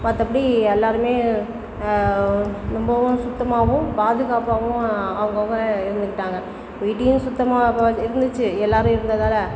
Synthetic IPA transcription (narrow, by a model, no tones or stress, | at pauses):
mɐt̪ːɐpːɐɽiɛlːaːɾɯmeː | nɔmbɐʋʊ̃sʊt̪ːɐmaːʋʊ̃paːðɯɣaːpaːʋʊ̃ɐʋɐŋɡɐʋɐŋɡɐɪɾɯnd̪ɯkːɪʈːaːŋɡɐ | miːʈ̬ːɪjʊ̃nsʊt̪ːɐmaːɐɪɾɯnd̪ɯt͡ʃːɯɛlːaːɾɯ̃ɪɾɯnd̪ɐðaːlɐ